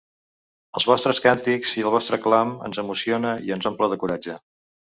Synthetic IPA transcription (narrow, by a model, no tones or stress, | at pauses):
əlˠzβɔst̪ɾəskant̪ikziəlˠβɔst̪ɾəklamə̰nzəmusionəiənzomplɔðəkuɾad͡ʒə